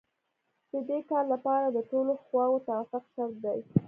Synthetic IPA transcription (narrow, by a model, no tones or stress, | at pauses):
d̪̥əd̪ekɑllapɑɾad̪əʈoloxwɑwot̪awafʊqʃaɾt̪̚d̪aj